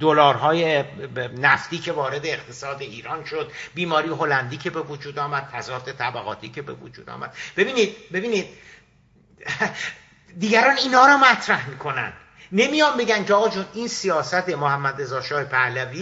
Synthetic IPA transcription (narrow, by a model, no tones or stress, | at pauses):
d̪olɒːɾɦɒːjenæft̪iːcʰe̞vɒːɾe̞d̪eːχt̪ʰe̞sɒːd̪e̞iːɾɒːnʃod̪biːmɒːɾijeɦo̞lænd̪iːcʰe̞be̞vod͡ʒuːd̪ɒːmæd̪̥̚fʰæzɒːt̪ʰe̞t̪ʰæbæɣɒ̰ːt̪ʰḭːcʰe̞bḛvo̰d͡ʒṵːd̪ɒ̰ːmæ̰d̪̥b̥e̞biːniːd̪̚be̞biːniːd̪̥̚ | d̪iːɟæɾɒːniːnhɒːɾɒːmæt̪ʰɾæhmikʰo̞næ̰nd̪̥ | ne̞mijɒmbe̞ɟænkʲʰeɒːɣɒd͡ʒuninsijɒːsæt̪ʰe̞mohæmːæd̪re̞zɒːʃɒːhepʰælæviː